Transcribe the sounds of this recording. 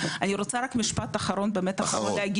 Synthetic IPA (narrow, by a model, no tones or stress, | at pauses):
aniɾo̞t͡saɾakmiʃpat̪aχaɾo̞nbeːmet̪aχaoleaɡi